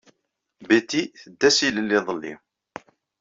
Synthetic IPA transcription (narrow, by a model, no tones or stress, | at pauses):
bit̪iθəd̪ːæsiləlːɪðˤəlːḭ